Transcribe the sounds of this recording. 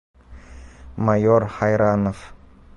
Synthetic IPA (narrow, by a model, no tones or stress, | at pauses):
majɔɾhajɾanəf